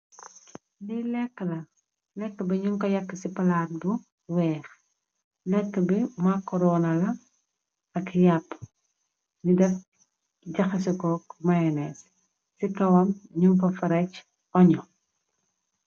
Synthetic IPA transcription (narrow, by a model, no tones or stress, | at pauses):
nilɛkːəlɐ | lɛkːəbiɲuŋkɔjɐkːəsipɐlat̚bu | wɛːx | lɛkːəbimakːɔɾɔnɐlɐ | ɐkjapː | ɲudɐf | ɟɐxɐsikɔːkmajɐnɛs | sikɐwɐmɲuŋkɔfɐɾɐc | ɔɲɔ